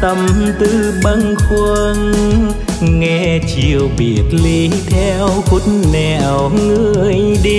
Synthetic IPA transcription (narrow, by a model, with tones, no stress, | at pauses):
t̪ə˧mt̪ɨ˧˩ɓaə˧ŋxə˧n | ŋɛ˧t͡ɕi˨˩əwɓi˨˩ət̚li˧t̪ʰɛ˧wku˧˥nnɛ˧˩˨wŋɨ˧əəjɗi˧